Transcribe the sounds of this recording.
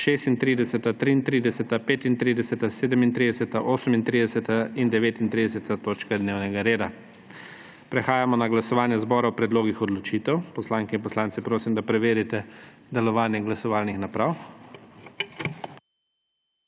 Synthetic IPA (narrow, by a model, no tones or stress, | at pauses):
ʃeːst̪int̪ɾiːd̪ɛsɛt̪at̪ɾiːnt̪ɾiːd̪ɛsɛt̪apeːt̪int̪ɾiːd̪ɛsɛt̪aseːd̪əmint̪ɾid̪ɛsɛt̪aʔoːsəmint̪ɾiːd̪ɛsɛt̪aind̪ɛʋeːt̪int̪ɾid̪ɛs̬ɛt̪at̪oːt͡ʃkad̪neːwnɛɡaɾeːd̪a | pɾɛxaːjamɔnaɡlasɔʋaːnjɛzbɔːɾawpɾɛd̪loːɡixɔd̪lɔt͡ʃiːt̪ɛwpɔslaːŋkɛinpɔslaːnt̪sɛpɾoːsimd̪apɾɛʋeːɾit̪ɛd̪ɛlɔʋaːnjɛɡlasɔʋaːlnixnapɾaw